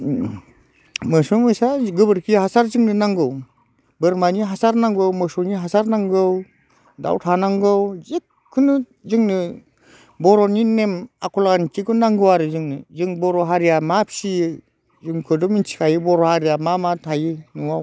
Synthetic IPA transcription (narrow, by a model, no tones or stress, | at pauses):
mɯsɔmɯsaɡɯbɯɾkʰihasaɾzɯŋnɯnaŋɡɯw | bɯɾmaniɦasaɾnaŋɡɯwmɯsɔniɦasaɾnaŋɡɯw | da̰wtʰanaŋɡɯwzikʰːɯnɯ | zɯŋnɯ | bɔɾɔninemakʰɔlaantiɡɯnaŋɡɯwaɾɯzɯŋnɯzɯŋbɔɾɔɦaɾijamapʰsi | zɯŋkʰɯdɔmint͡ʃi̥kʰajɯbɔɾɔhaɾijamamatʰajɯnuaw